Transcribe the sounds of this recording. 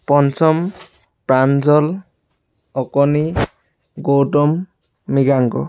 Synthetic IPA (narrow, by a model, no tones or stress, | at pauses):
pɔnsɔm | pɹanzɔl | ɔkɔni | ɡowtɔmː | iɡaŋɡɔ̰